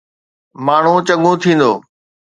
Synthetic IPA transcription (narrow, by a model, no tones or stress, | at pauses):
maːɳ̤ũt͡ɕɐɠũt̪ʰĩːn̆d̪o̰ː